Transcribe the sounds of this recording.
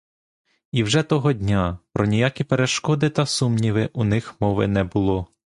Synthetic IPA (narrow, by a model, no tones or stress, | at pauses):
iwʒɛt̪ɔɦɔdʲnʲapɾɔnʲijakʲipeɾeʃkɔd̪ɪt̪ɐsumnʲiʋɪʔunɪxmɔʋɪ̰nɛbʊlˠɔ